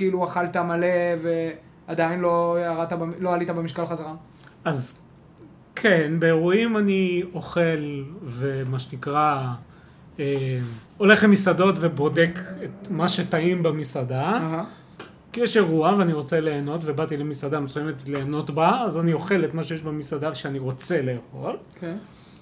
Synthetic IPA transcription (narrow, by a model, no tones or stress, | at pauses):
kiiluaχalt̪amaleve | ad̪ainloaʁat̪abloalit̪abemiʃkalχazaʁa | az | kʰenbe̞ːʁuimanio̞χe̞lve̞maʃenikʁa | em | o̞le̞χlemisado̞tvebo̞de̞ket̪maʃe̞taimbemisadaɦa | kijɛʃe̞ʁuaveaniʁo̞t͡sele̞ːno̞tvebat̪ilemisadamesujemetle̞ːno̞tbaːzanio̞χe̞letmaʃejeʃbemisadavʃeaniʁo̞t͡se̞le̞ːχo̞lkʰe